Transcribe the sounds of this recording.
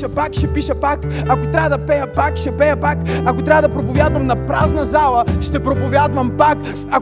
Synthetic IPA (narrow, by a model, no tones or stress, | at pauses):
əpakʃɛpiʃəpakakot̪ɾʲavəd̪ɐpɛjɐpakʃɛpɛjɐpakakot̪ɾavəd̪ɐpɾopovʲjad̪vɐmnɐpɾaznɐzalˠəʃt̪ɛpɾopovʲjad̪vɐmpak | a